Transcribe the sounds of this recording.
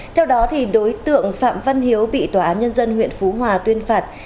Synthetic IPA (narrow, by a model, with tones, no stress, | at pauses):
t̪ʰɛ˧wɗɔ˨˦t̪ʰi˨˩ɗo˨˦jt̪ɨ̰˧˨əŋfa̰ː˧˨mva˧nɦi˨˦əwɓḭ˧˨t̪waː˧˩aː˨˦nɲə˧nzə˧nɦwḭ˧˨ənfu˨˦ɦwaː˨˩t̪wi˧ənfaː˨˩t̚